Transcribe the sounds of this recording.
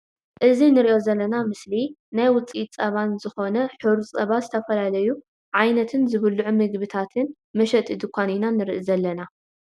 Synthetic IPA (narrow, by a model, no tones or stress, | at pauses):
ʔɨzinɨɾiʔo̞zɐlːɐnamɨslinajwʊt͡sʼit̪ʼt͡sʼɐβanzɨxo̞nɐħɨɾut͡sʼɐβazɨt̪ʰɐfɐlalɐju | ʕajnɐt̪ʰɨnzɨβɨlːuʕumɨɡbɨt̪ʰat̪ʰɨn | mɐʃɐt̪ʼɨd̪ɨkʷʰaninanɨɾɨʔizɐlːɐna